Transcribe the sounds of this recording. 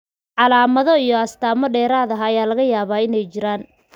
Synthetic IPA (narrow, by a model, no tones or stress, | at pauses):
ʕɑlaːmɐðɔijɔɐst̪ʰaːmɔɖɛːɾaːðɐɦɐjaːlɐɣɐjaːβaːɪnɛjt͡ʃɪɾaːn